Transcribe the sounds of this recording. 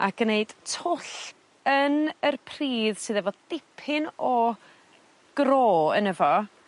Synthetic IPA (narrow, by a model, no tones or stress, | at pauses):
a̰ɡ̥əneɨd̥tʰʊɬ | ənərpʰriːðsɨːðɛvɔdɪpʰɪnɔ | ɡ̥roːə̰nəvɔ